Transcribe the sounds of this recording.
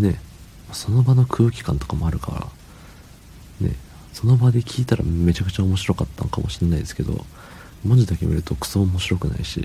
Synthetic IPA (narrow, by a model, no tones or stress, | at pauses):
ne̞ | maso̞no̞bano̞kʰɯ̟ːkʲi̥kã̰nt̪o̞kamo̞aɾɯ̟ka̰ɾa̰ | nḛ | so̞no̞bad̪e̞kʲʰiːt̪aɾa̰me̞t͡ɕakɯ̟̥t͡ɕaomo̞ɕiɾo̞kat̪ːa̰nokamo̞ɕiɾenaid̪e̞sɨ̥ke̞d̪o̰ | mo̞ɲ̟d͡ʑid̪akʲemʲiɾɯ̟t̪o̞kɯ̥soːomo̞ɕiɾo̞kɯ̟na̰iɕḭ